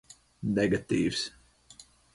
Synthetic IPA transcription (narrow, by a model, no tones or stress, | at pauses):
nɛɡat̪iːvs